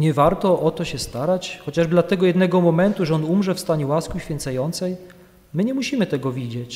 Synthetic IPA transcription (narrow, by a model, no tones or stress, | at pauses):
ɲɛvaɾt̪ɔʔɔt̪ɔɕɛst̪aɾat͡ɕxɔt͡ɕaʐd̪lat̪ɛɡɔjɛd̪nɛɡɔmɔmɛnt̪uʐɛɔnumʐɛfst̪aɲɛwaskiɕfʲjɛnt̪sajɔnt̪sɛj | mɘɲɛmuɕimɘt̪ɛɡɔvʲid͡ʑɛt͡ɕ